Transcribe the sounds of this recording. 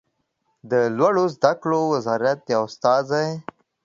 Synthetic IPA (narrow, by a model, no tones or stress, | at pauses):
d̪əlwaɽozd̪aklowɪzɑɾat̪̚jaʊst̪ɑːza